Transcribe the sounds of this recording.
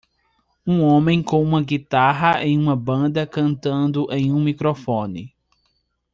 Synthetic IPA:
ũõmẽj̃kõũmɐɡit̪aɦɐʔḛ̃j̃ũmɐbɐ̃d̪ɐkɐ̃nt̪ɐ̃nd̪ʊʔẽj̃ũmikɾofõnɪ

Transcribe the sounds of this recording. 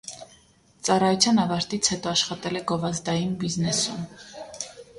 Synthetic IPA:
t͡sɑrɑjɔt͡sʰjɑnɑvɑɾt̪it͡sʰhɛt̪ɔɑʃχɑt̪ɛlɛɡɔvɑzd̪ɑjinbiznɛsum

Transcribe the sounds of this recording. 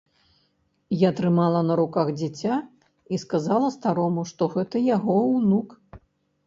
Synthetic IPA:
jat̪ɾɨmalˠɐnɐɾukaɣd͡zʲat͡sʲa | iskazalˠɐst̪aɾɔmuʂt̪ɔɣɛt̪ɐjaɣɔwnuk

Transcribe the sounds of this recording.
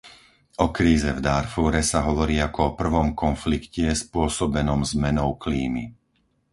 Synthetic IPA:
ʔɔkɾiːzɛvd̪aɾfuɾɛsaɦɔʋɔɾiːakɔɔpr̩ʋɔmkɔnflikcɛspʊɔsɔbɛnɔmzmɛnɔʊkliːmḭ

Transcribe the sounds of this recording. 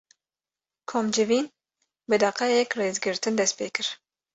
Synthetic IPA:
kʰoːmd͡ʒɨviːn | bɨd̪ɑqɛjɛkreːzɡɨɾt̪ʰɨnd̪ɛspʰḛːkʰɨɾ

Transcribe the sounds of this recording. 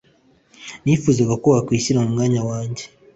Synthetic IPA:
nifuːzaɡakuβakwiːciɾamumŋaːɲawaːɲɟe

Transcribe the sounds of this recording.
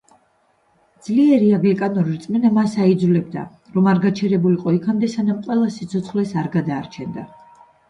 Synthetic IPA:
d̪z̥liɛɾiaɡlikʼanɔɾiɾt̪sʼmɛnamasaid̪zulɛb̚d̪a̰ | ɾɔmaɾɡat͡ʃʰɛɾɛbuliqʼɔikʰamd̪ɛsanamqʼwɛlˠasit̪sʰɔt̪sʰχlɛsaɾɡad̪aːɾt͡ʃʰɛnd̪a

